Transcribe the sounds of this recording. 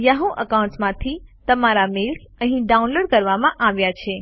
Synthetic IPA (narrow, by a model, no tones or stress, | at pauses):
jaɦõʔəkaũɳʈsmãt̪ʰit̪əmaɾamɪlk | ə̃ɦĩɖaũnloːɽkəɾʋamãʔaʋjat͡ʃʰe